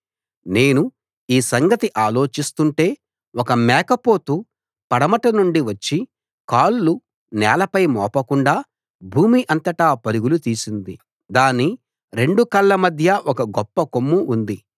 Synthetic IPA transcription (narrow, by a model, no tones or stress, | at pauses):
ne̞ːnu | iːsɐŋɡɐt̪iʔaːlo̞ːt͡ʃist̪uɳʈe̞ː | ɔkɐmɛːkɐpo̞ːt̪uː | pɐɽɐmɐʈɐnuɳɖiʋɐt͡ʃːi | kaːllu | nɛːlɐpɐjmɔ̰ːpɐkuɳɖaː | bʱuːmiʔɐnt̪ɐʈaːpɐɾuɡulut̪iːsind̪i | d̪aːnːi | ɾe̞ɳɖukɐlːɐmɐd̪ʱjɐʔɔkɐɡɔpːɐkomːuʔːnd̪i